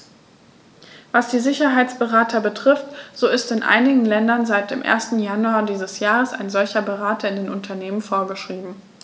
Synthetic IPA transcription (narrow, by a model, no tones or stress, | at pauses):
vasd̥iːzɪçɐɦaɪt͡sb̥əʁaːtʰɐbətʁ̥ɪftz̥oːɪstɪnʔa̰ɪnɪɡŋ̩lɛndɐnzaɪt̚d̥eːmʔḛːɐstn̩januaːdiːzəsjaːʁəsa̰ɪnzɔlçɐbəʁaːtʰɐɪndeːnʔʊntʰɐneːmənfoːɐɡəʃʁ̥iːbm̩